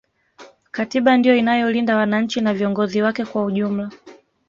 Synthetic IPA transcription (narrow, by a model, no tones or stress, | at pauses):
katiɓandijɔinajɔlindawanaɲ̩t͡ʃinaviɔŋɡɔziwakɛkwauʄum̩la